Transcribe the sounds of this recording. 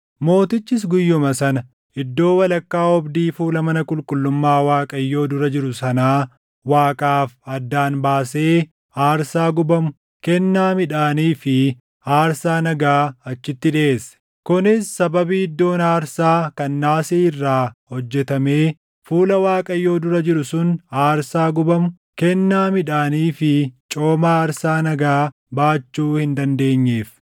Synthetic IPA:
mo̞ːt̪ɪt͡ʃːɪs̬ɡʊjːʊmɐsɐnɐ | ɪd̪ːo̞ːwɐlɐkːaːɔbd̪iːfuːlɐmɐnɐkʼʊlkʼʊlːʊmːaːwaːkʼɐjːo̞ːd̪ʊɾɐd͡ʒɪɾʊsɐnaː | waːkʼaːfɐd̪ːaːnbaːse̞ː | aːɾsaːɡʊbɐmʊ | kɛnːaːmɪᶑaːniːfɪ | aːɾsaːnɐɡaːɐt͡ʃːɪt̪ːɪᶑeʔesɛ̥ | kʊnɪsːɐbɐbiɪd̪ːo̞ːnaːɾsaːkɐnːaːseːɪrːaːhɔd͡ʒːɛt̪ɐme̞ː | fuːlɐwaːkʼɐjːo̞ːd̪ʊɾɐd͡ʒɪɾʊsʊnaːɾsaːɡʊbɐmʊ | kɛnːaːmɪᶑaːniːfɪt͡ʃʼo̞ːmaːɾsaːnɐɡaː | baːt͡ʃːuːhɪnd̪ɐnd̪e̞ːɲːeːf

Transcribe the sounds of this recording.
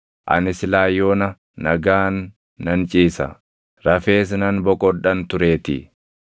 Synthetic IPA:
ʔɐ̰nɪsɪlaːjːoːnɐ | nɐɡaːnː | ɐnt͡ʃʼiːsɐ̰ | ɾɐfe̞ːs̬nɐnbɔkʼɔᶑɐnt̪ʊɾe̞ːt̪ɪ̰

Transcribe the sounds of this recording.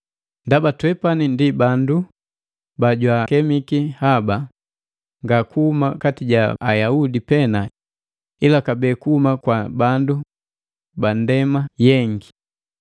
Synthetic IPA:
ndabatwɛpanindibandu | baɟwakɛmikihaba | ŋɡakuhumakatiɟaajaudipɛna | ilakabɛːkuhumakwabandu | bandɛmajɛŋɡi

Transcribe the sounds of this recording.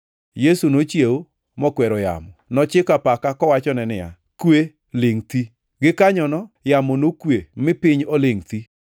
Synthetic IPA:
jesunot͡ʃjewo | mɔkwɛɾɔja̰mɔnɔt͡ʃɪkapakakɔwat͡ʃɔnɛnɪja̰ | kwe | lɪŋt̪i | ɡɪkaɲɔnɔjamonokwemɪpɪɲolɪŋt̪i

